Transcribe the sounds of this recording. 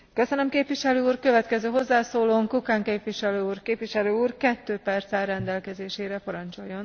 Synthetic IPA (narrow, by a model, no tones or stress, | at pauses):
kø̞sønømkeːpʋiʃɛløːuːrkøvɛt̪kɛzøːɦo̞zːaːsoːloːŋkukaːŋkeːpʋiʃɛløːuːrkeːpʋiʃɛløːuːrkɛt̪ːøːpɛrt̪sɛɾɛnd̪ɛlkɛzeːʃeːɾɛpɒɾɒnt͡ʃo̞jːo̞n